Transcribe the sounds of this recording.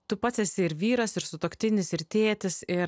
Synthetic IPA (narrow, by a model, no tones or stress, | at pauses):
t̪ʊpɑt̪sʲɛsʲɪɪɾʋʲiːɾɐsɪɾsʊt̪oːkʲt̪ʲɪnʲɪsɪɾt̪ʲeːt̪ʲɪsɪɾ